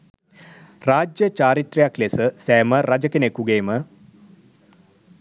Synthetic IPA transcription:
raːd͡ʒjət͡ʃaːɾit̪rejaklesəsɛːməɾad͡ʒəkenekuɡeːmə

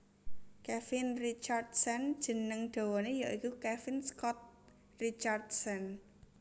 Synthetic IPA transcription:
kɛfɪnrit͡ʃard̪sɛnd̥ʒ̥ə̤nəŋɖ̪̥o̤wɔnejaʔikukɛfɪnskɔt̪̚ | rit͡ʃard̪sɛn

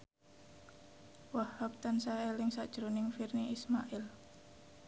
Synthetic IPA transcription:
wahhak̚t̪ansaɛlɪŋsaʔd̥ʒ̥ɾonɪŋfirniismaʔɪl

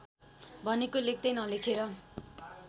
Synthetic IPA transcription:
bʱʌnekolek̚ʰd̪ʌjnʌlekʰeɾʌ

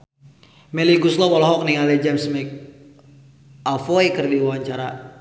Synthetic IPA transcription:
mɛliɡuslɔwɔlɔɦɔk̚niŋalɛd͡ʒɛmsmɛk̚ | alfoikərdiwawaɲt͡ʃaɾa

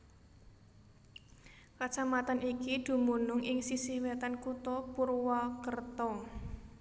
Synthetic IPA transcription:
kat͡ʃamat̪anikid̪̥ṳmunʊŋʔɪŋsisihwet̪ankut̪ɔpurwakərt̪ɔ

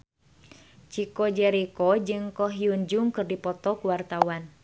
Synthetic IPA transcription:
t͡ʃikɔd͡ʒɛɾikɔd͡ʒɨŋkɔɦiuɲd͡ʒuŋkɨrdipɔt̪ɔkuwart̪awan

